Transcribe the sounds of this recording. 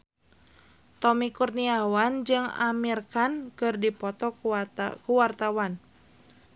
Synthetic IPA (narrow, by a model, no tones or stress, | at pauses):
t̪ɔmikurniawand͡ʒɨŋa̰mirkankɨrdipɔt̪ɔkuwart̪awan